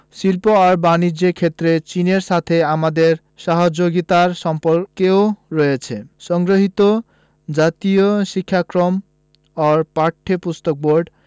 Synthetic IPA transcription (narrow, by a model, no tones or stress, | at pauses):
silpoaɾbanid͡ʑekʰet̪ːɾet͡ɕineɾʃat̪ʰeamad̪eɾ | ʃaɦod͡ʑoɡit̪aɾʃɔmpoɾkeoɾɔjet͡ɕʰeʃɔŋɡɾoɦit̪o | d͡ʑat̪ijoʃikʰːakɾom | aɾpaʈʰːepust̪ok̚boɾɖ